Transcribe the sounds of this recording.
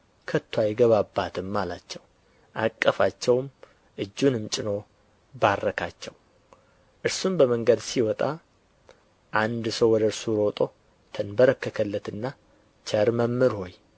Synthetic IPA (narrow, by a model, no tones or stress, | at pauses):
kʰət̪ʰːwajɪɡəβabːat̪ʰɨmːalat͡ʃːɛw | ʔakʼːəfat͡ʃːɛwm | ʔɨd͡ʒːunɨmt͡ʃʼɪno̞ | barːəkʰat͡ʃːɛw | ʔɨɾsumbəməŋɡəd̪siwɔt̪ʼa | ʔand̪səwwɔd̪əɾsuɾo̞t̪ʼo̞ | t̪ʰənbəɾəkːəkʰəlːət̪ɨnːa | t͡ʃəɾməmːɨɾho̞j